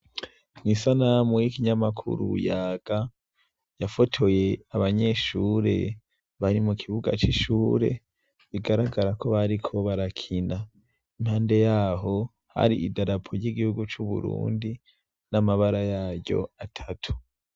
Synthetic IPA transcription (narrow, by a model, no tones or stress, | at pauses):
nisanamuikiɲamakʰṵɾṵjaːɡ̥a | jafo̞tʰo̞je̞aβaɲe̞ːʃuːɾe̞̰ | βaɾimukʰiβuɡa̰t͡ʃiʃuːɾe̞̰ | βiɡaɾaɡaɾakʰo̞βaɾikʰo̞βaɾakʰina | imhaːnde̞jaːɦo̞ | ha̰ɾiːdaɾapʰoɾɟiɡihuɡut͡ʃuβṵɾṵːndi | namaβaɾajaːɾɟo̞̰atʰatʰu̥